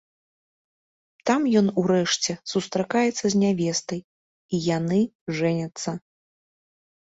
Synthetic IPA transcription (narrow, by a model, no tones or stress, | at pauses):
t̪amjɔnuɾɛʂt͡sʲɛsust̪ɾakajɛt̪sːɐzʲnʲavʲɛst̪ɐj | ijanɨʐɛnʲɐt̪sːɐ